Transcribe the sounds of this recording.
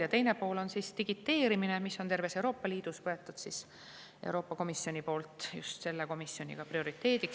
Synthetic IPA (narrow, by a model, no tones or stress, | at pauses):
jɑt̪ejnepo̞ːlo̞nsist̪iɡ̥it̪ːe̞ːɾimine̞misːot̪e̞rve̞sewɾo̞ːpːɑliːd̪̥usvɤe̞t̪ːˑud̪sis | e̞̰wɾo̞ːpːˑɑko̞misːio̞nʲipo̞ːlt̪ˑjṵst̪se̞lːeko̞misːjo̞nʲḭɡ̥ɑprio̞ɾit̪ˑːe̞ːd̪̥iks